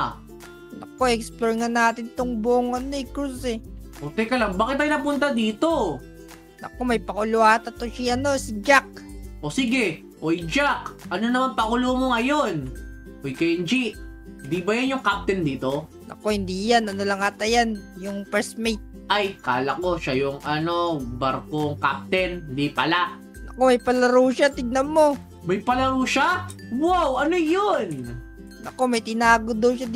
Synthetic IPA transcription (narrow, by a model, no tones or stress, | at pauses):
lɐ̰koɛksploɹŋɐnaːt̪ɪnt̪oŋboʔoŋɐnoɪkɾusɛʔot̪ɛkɐlaŋbaːkɪt̪ɐjnɐpʊnt̪ad̪iːt̪o̞ | nɐ̰komɐjpɐkʊlʊat̪ɐt̪oʃiɐno̞sɪd͡ʒak̚ʔosiɡɛ | ʔojd͡ʒakʔɐnonɐmanpɐkʊlomoŋɐjon | ʔojkɐjnd͡ʒiʔhɪnd̪ibɐjanjʊŋkap̚t̪ɛnd̪iːt̪o̞ | nʔɐ̰ko̞hɪnd̪iːjanɐnolɐŋat̪ɐjanjʊŋpɛɹsmejt̪̚ | ʔɐjkaːlɐko̞ʃajʊŋɐnobɐɾkoŋka̰p̚t̪ɛnhɪnd̪ipɐlaʔ | nɐko̞mɐjpɐlɐɾuːʃat̪ɪɡ̚nɐmːo̞ | mɐjpɐlɐɾuːʃawawʔɐnojon | nɐ̰ko̞mɐjt̪ɪnaːɡod̪owʃa